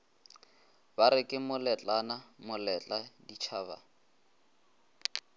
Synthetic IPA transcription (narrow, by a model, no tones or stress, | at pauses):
baɾɪkʼɪmʊlɛt͡ɬʼanamʊlɛt͡ɬʼadit͡ʃʰaːβa̰